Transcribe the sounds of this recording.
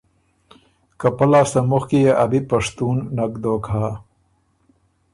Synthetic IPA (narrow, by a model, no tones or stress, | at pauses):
kɐpɐlaːst̪ɐmʊxkijeʔabipɐʂt̪unːɐkd̪okʰaː